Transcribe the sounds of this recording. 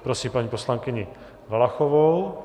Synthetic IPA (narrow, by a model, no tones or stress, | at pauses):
pɾosiːmpaɲiːposlaŋkɪɲɪ | valaxovow